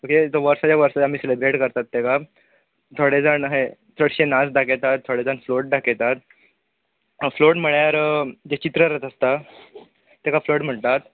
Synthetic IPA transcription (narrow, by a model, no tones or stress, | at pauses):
oket̪oʋəɾsat͡ɕaʋəɾsaamiːselebɾeʈkəɾt̪at̪ːeka | t̪ʰoɽed͡zanɦe | t̪ʰəɽɕenasɖaket̪at̪ʰːoɽed͡zanfloʈ̚ɖaket̪at̪ | floʈməɭjaɾd͡ʑet͡ɕit̪ɾəɾət̪əst̪a | t̪ekafloʈm̤əɳt̪at̪